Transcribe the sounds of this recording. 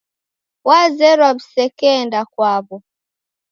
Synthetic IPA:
wazɛɾabsɛkɛndakwaβɔ

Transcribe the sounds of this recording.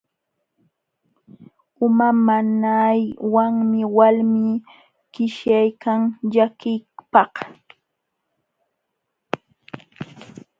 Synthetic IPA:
ʊmamanajwaŋmɪwalmi | kɪʃjajkʰaŋʎakɪpɑh

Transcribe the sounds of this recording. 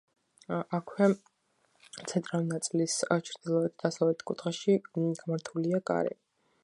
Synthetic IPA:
ʔakʰwɛ | t̪sʰɛnt̪ʼɾalinat̪sʼilist͡ʃʰɾd̪ilˠɔɛt̪̚ʰd̪̥asavlɛt̪ʰkʼut̪χʼaʃiɡamaɾt̪ʰuliakʼa̰ɾɛ̰

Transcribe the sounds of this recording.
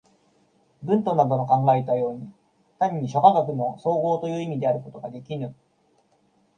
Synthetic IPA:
bɯ̟̃nt̪o̞nad̪o̞nokãŋɡaet̪ajo̞ːɲ̟i | t̪aɲ̟ɲːiɕo̞kaɡakɯ̟mo̞so̞ːɡo̞ːt̪o̞jɯ̟ːimʲid̪e̞aɾɯ̟ko̞t̪o̞ɡad̪e̞kʲinɯ̟

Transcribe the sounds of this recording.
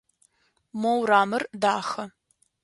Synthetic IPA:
mowraːmɨrdaːxɐ

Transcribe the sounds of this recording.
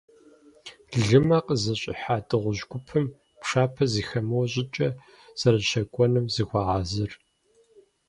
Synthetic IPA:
ɮɨmɐqʼəzɐɕʼɪ̰ħaːtʰʼɨʁʷʊʑɡʷʊpʰɨm | pʂaːpʰɐziːxɐmɐwɕʼɪt͡ʃʼɐ | z̥ɐɾɐɕɐkʷʼɔnɨmzɨxʷɑːʁaːzɨr

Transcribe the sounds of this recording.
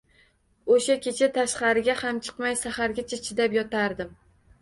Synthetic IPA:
oʃakʲʰet͡ʃʰat̪ʰaʃqɑɾɪɡʲahamt͡ʃʰɨ̥qmajsahaɾɡʲat͡ʃʰat͡ʃʰɪd̪apjɒt̪ʰaɾd̪ɪm

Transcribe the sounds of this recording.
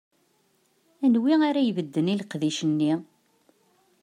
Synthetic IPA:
ænwiaɾæjvəd̪ːənilqðiʃənːi

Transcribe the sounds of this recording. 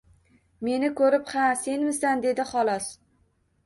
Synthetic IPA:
me̞nɪkʰɵɾɪphase̞nmɪsand̪e̞d̪ɪχɒlˠɒs

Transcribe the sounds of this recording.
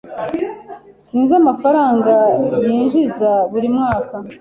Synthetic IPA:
siːnzamafaɾaːŋɡajiːnʒizaβuɾimŋaːka

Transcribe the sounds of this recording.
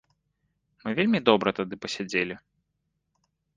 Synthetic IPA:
mɨvʲelʲmʲid̪ɔbɾɐt̪ad̪ɨpɐsʲad͡zʲelʲi

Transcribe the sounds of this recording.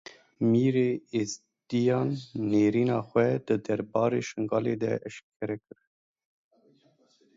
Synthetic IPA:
miːɾeːes | d̪ijɑːnːeːɾiːnɑːxwɛd̪ɨd̪ɛɾbɑːɾeːʃɨŋɡɑːleːd̪ɛ̰ʔɛʃkʰɛɾɛkɨɾ

